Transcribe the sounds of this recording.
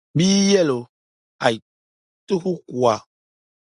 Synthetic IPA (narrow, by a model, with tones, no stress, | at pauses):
bi˦jɛ˦lo˨ | a˨i˨ | t̪o˦xu˦ku˨a˨